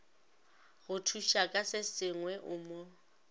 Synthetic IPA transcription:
ɣʊtʰuʃakʼasɪsɪŋwɛʔʊmo

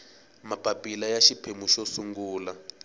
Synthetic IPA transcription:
mapʼapʼilajaʃipʰemuʃosuŋɡuːla

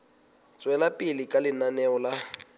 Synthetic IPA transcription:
t͡sʼwɛlapʼɪlɪkʼalɪnanɛɔla

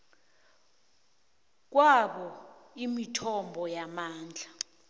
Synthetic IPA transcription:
k̬waɓɔimitʰɔmbʱɔjamaːnd͡ɮʱa

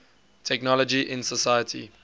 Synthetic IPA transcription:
tʰɛknɔləd͡ʒiʔɪ̃nsəsajətʰḭ

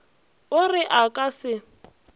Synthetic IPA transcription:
ʊrɪʔakʼasɪ

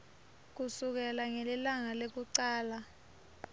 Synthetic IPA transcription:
k̬usuk̬ɛlaŋɛlilaŋalek̬uǀaːla

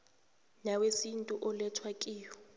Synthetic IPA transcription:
nawesin̩tʼuʔʊlɛtʰwakʼiːjɔ

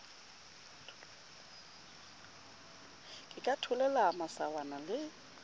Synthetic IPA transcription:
kʼɪkʼatʰʊlɛlamasawanalɪ

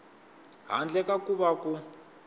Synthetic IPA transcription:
ɦa̰nd͡ɮɛkakuβaku

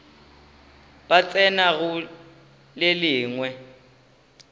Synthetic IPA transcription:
b̥at͡sʼɛnaɣʊ | lɪlɪːŋwɛ

